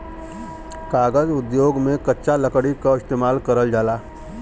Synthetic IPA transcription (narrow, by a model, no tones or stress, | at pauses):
kaːɡəzʊd̪joːɡmẽkɐtːʃʰalɐkɽikaɪst̪eːmaːlkəɾəld͡ʒaːlaː